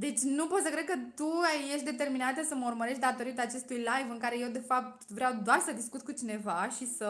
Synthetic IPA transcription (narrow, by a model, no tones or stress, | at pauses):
d̪e̞t͡ʃʲnupo̞t̪səkɾe̞d̪̚kət̪uje̞ʃt̪d̪e̞t̪e̞rminat̪əsəməurməɾe̞ʃt̪d̪at̪o̞ɾit̪aːt͡ʃe̞st̪ujlajvɨŋkaɾe̞jewd̪e̞fap̚t̪vɾeawd̪oarsəd̪iskut̪kut͡ʃine̞vaʃisə